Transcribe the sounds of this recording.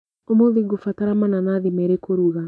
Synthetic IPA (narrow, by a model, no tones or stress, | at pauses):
omoðiɡofataɾamananaðimɛɾekoɾuɣa